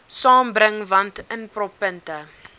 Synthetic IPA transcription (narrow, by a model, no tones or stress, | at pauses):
sɑːmbɾəŋvɐntənprɔpəntə